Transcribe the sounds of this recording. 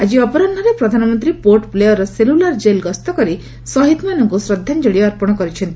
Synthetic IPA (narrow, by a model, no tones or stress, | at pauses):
ad͡ʒiɔpɔɾɔnɔɾepɾɔd̪ʱanɔmɔnt̪ɾipoɾʈplejɔɾɔselulaɾd͡ʒelɡɔst̪ɔkɔɾi | sɔɦit̪manɔŋkusɾɔd̪ʱːand͡ʒɔɽiːɾpɔɽ̃ɔkɔɾit͡ʃʰɔnt̪i̥